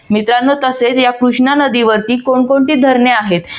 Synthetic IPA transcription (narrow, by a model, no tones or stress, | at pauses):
mit̪ɾanːot̪əset͡sjakɾuʂɳanəd̪iʋəɾt̪iːkoɳkoɳʈiːd̪ʱəɾɳeaɦet̪